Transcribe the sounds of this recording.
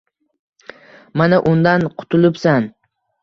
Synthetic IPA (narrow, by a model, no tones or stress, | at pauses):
manaʔʊnd̪anqʰʊ̥t̪ʰʊlɪpsan